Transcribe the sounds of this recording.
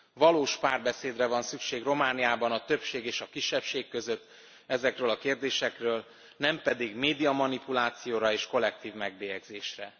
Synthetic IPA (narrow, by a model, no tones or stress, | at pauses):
vɒloːʃpaːrbɛseːd̪rɛvɒnsykʃeːɡro̞maːnijaːbɒnɒt̪ø̞pʃeːɡeːʃɒkiʃːɛpʃeːkːø̞zø̞t̪ː | ɛzɛkrøːlɒkeːrd̪eːʃɛkrøːl | nɛmpɛd̪iɡmeːd̪ijɒmɒnipulaːt̪sijoːɾɒeːʃko̞lːɛk̚t̪iːvmɛɡ̚beːjɛɡzeːʃrɛ